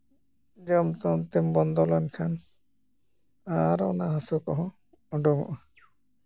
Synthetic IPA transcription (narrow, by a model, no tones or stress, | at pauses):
d͡ʒɔmt̪ɔmt̪ɛmbɔnd̪ɔlɔnkʰan | aɾɔ̰naɦasukɔɦɔ̃ | ɔɖɔmɔ̰ʔɔ